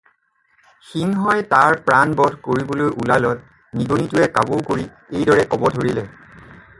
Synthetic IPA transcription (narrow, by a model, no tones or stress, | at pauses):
xiŋɦɔjtaɹpɹanbɔdʱkoɹibolojʔulalɔt̚ | niɡonitʊɛkabowkoɹi | ejdɔɹɛkɔbɔdʱoɹilɛ